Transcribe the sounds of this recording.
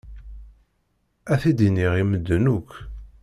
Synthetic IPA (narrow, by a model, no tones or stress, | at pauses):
æθid̪iniʁiməd̪ːənukː